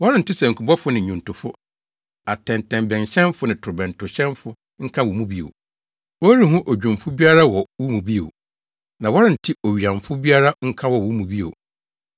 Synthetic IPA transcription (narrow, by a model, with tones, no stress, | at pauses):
wɔ˦ɾɪ̃˦n̩˨tɪ˦sɛ˨ŋ̩˨kʰʊ˨bɔ˦fʊ˦nɪ̃˨ɲũ˨ntʰʊ˨fʊ˦ | a˨tʰɛ̃˨ntʰɛ̃˨mbɛ̃˨n˨ɕɛ̃˦mfʊ˦nɪ̃˨tʰʊ˨ɾbɛ̃˨ntʰʊ˨ɕɛ̃˦mfʊ˦ | ŋ̩˦kʰã˦wu˨mũ˦bi˦o̰˨ | wɔ˦ɾi˦ɦʊ̃˦ʔo˨d͡ʑᶣũ˨mfʊ˦bi˦a˦ɾa˦wɔ˨wu˦mũ˨bi˦o̰˨ | nã˨wɔ˦ɾɪ̃˦˨n̩˨tʰɪ˦o˨ɥi˨ã˨mfʊ˦bi˦a˦ɾa˦ŋ̩˦kʰã˦wɔ˨wu˦mũ˨bi˦o̰˨